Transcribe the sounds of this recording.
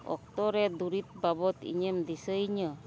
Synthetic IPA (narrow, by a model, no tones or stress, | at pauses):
ɔ̰k̚t̪ɔɾɛd̪uɾit̪̚babɔt̪ḭɲɛmd̪isəiɲə